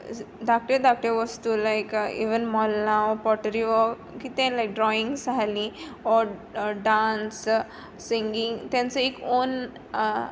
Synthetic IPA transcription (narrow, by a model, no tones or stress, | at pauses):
ɖak̚ʈɾedak̚ʈəʋəst̪ulajkḭʋənmɔlnaɔpɔʈəɾiʋɔ | kit̪ẽlajk̚ɖɾɔĩŋɡzʱaliɔɾɖãnsː | ĩŋɡĩŋt̪jãnt͡səekon